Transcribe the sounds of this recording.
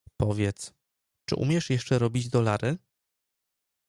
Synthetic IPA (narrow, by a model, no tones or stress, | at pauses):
pɔvʲjɛt̪s | t͡ʂɘ̰ʔṵmʲjɛʂjɛʂt͡ʂɛɾɔbʲid͡ʑd̪ɔlaɾɘ